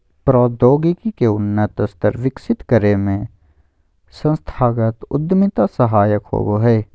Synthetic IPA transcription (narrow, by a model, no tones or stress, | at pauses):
pɾɔːd̪oːɡikikeʊnːət̪əst̪əɾʋɪksɪt̪kəɾemẽ | sə̃nst̪ʰaːɡət̪ʊ̰d̪mɪt̪asɐɦaːjəkho̰ːboɦɛː